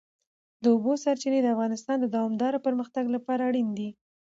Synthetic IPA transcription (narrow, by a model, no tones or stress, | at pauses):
d̪əobosaɾt͡ʃined̪əafɣɑnɪst̪ɑnd̪əd̪ɑwɑmd̪ɑɾopəɾməxt̪aɡlapɑɾaːɽind̪i